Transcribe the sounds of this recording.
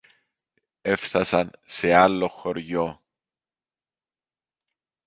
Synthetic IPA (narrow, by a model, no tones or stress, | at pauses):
efθɐsɐnsealːoxoɾʝo